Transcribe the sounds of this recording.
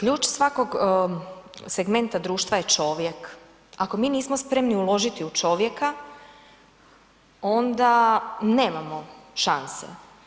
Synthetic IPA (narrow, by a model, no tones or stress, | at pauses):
kʎuːt͡ʃsʋako̞ɡ | se̞ɡme̞nt̪ad̪ɾuːʃt̪ʋaje̞t͡ʃo̞ːʋje̞k | ako̞miːniːsmospɾe̞mniulˠo̞ʒit̪iut͡ʃo̞ːʋje̞ka | o̞nd̪ane̞ːmamo̞ʃansḛ